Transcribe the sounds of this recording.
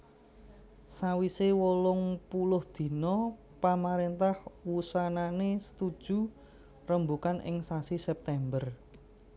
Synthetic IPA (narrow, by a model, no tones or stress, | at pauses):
sawisewolʊŋpulʊhd̪̥i̤nɔ | pamaɾent̪ahwusananesə̥t̪ud̥ʒ̥ṳ | rəmbukanʔɪ̰ŋsasisɛp̚t̪ɛmbər